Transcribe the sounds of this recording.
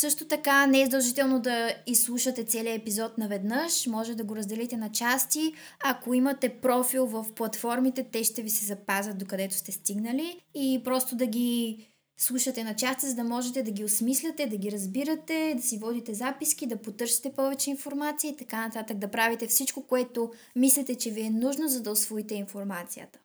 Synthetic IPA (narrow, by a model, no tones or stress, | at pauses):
sɤʃt̪ot̪ɐkanɛɛzd̪ɐlˠʒit̪ɛlˠnod̪ɐislˠuʃət̪ɛt̪sɛliəɛpizɔt̪nɐvɛd̪nəʃmɔʒɛt̪ɛd̪ɐɡoɾɐzd̪ɛlɛt̪ɛnɐt͡ʃast̪i | ɐkoimɐt̪ɛpɾɔfilˠvɐfplˠɐt̪fɔɾmit̪ɛt̪ɛʃt̪ɛvisɛzɐpazʲət̪̚d̪okɐd̪ɛt̪ʊ̥st̪ɛst̪iɡnəliipɾɔst̪od̪ɐɡʲi | slˠuʃɐt̪ɛnɐt͡ʃast̪izɐd̪ɐmɔʒɛt̪ɛd̪ɐɡʲiosmislʲɐt̪ɛd̪ɐɡʲiɾɐzbiɾɐt̪ɛd̪ɐsivɔd̪it̪ɛzapisk̟id̪ɐpot̪ɤɾʃi̥t̪ɛpɔvɛt͡ʃɛinfoɾmat̪sijəit̪ɐkanɐt̪at̪əɡ̚d̪ɐpɾavit̪ɛfsit͡ʃkokoɛt̪o | mislit̪ɛt͡ʃɛviɛnuʒnozɐd̪ɐosvɔit̪ɛinfoɾmat̪sijə̰t̪ə̥